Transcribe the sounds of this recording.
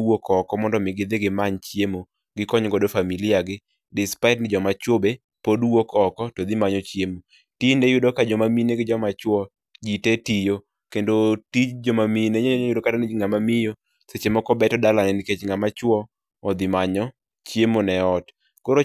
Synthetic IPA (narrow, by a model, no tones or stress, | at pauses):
wokɔkɔmɔndɔmɪɡɪd̪ɪɡɪmaɲt͡ʃjemo | ɡɪkɔɲɡɔdofamilɪaɡɪ | dɪspaɪtnɪd͡ʒɔmat͡ʃobe | podwokɔkɔtod̪ɪmaɲɔt͡ʃjemo | tinejʊdokad͡ʒɔmamineɡɪd͡ʒɔmat͡ʃwɔ | d͡ʒitetijo | kendotit͡ʃd͡ʒɔmamineɲjʊdokatanɪŋamamɪjo | set͡ʃemɔkɔbɛtɔdalanɛniket͡ʃŋamat͡ʃwɔ | ɔd̪ɪmaɲɔ | t͡ʃjemonɛɔt | koɾo